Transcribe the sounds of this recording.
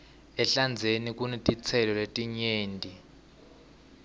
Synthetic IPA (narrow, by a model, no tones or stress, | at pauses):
ɛɬand͡zʱenik̬ʼunitʼit͡sʰɛlɔletʼiɲeːndʱi